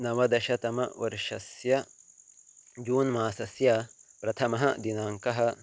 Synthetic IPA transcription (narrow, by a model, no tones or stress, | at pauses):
nɐʋɐd̪ɐʃɐt̪ɐmɐ̰ʋɐ̰ɾʃɐsjɐ | d͡ʒuːnmaːsɐsjɐpɾɐt̪ʰɐmɐɦɐd̪inaːŋkɐɦɐ̆